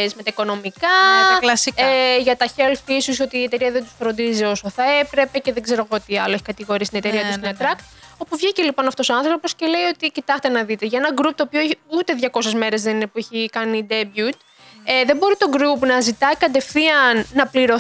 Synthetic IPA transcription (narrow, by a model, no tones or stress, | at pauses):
zme̞t̪ɐiko̞no̞mikɐlɐseʝɐt̪ɐçe̞lfisuso̞t̪iːe̞t̪e̞ɾiɐðe̞nd̪usfɾo̞nd̪izio̞so̞θɐe̞pɾe̞pe̞ce̞ðeɡze̞ɾo̞ɣoot̪iɐlo̞eçikɐt̪iɣo̞ɾisit̪inet̪eiɐt̪ust̪onet̪ɾɐkt̪o̞puvʝicelipo̞nɐft̪o̞soɐ̃nθɾo̞po̞sce̞le̞io̞t̪icit̪ɐxt̪e̞nɐðit̪eʝɐe̞nɐɡɾup̚t̪oːpioeçut̪e̞ðʝɐko̞se̞zme̞ɾe̞zðe̞ninepueçikɐnid̪e̞bjut̪ | eðembo̞ɾit̪o̞ɡɾupnɐzit̪ɐikɐd̪e̞fθiɐnːɐpliɾo̞